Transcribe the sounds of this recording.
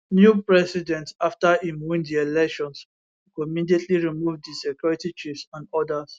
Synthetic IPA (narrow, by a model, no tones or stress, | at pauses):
njupɹɛsidɛ̃ntaftaimuvĩŋdielɛkʃɔ̃ns | kuimidietʰliɹimuvddisɛkʰjɔɹitit͡ʃifsɔ̃nɔdas